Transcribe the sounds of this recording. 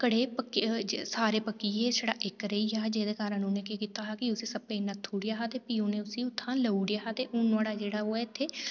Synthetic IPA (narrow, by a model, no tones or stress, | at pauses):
kəɽeːpəkːd͡ʒsaːɾeːpəkːiːɦeːsəɽaːʔɪkɾəiːɦaːd͡ʒeːd̪eːkaːɾə̃nũnẽːkekiːt̪aːɦaːkɪʊsiːsəpeːnət̪ʰːuːɽɪjaːɦaːt̪eːpiːõːneːʊsĩːʊt̪ʰːãːləuɽɪjaːɦaːt̪eːʔʊnaːɽaːd͡ʒeːɽaːoːɛːt̪ʰːeː